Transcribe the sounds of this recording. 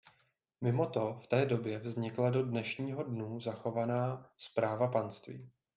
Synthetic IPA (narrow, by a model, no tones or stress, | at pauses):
mɪmo̞t̪o̞ft̪ɛːdo̞bjɛvzɲɪklado̞dnɛʃɲiːɦo̞dnuːzaxo̞vanaːspɾaːvapanst̪vḭː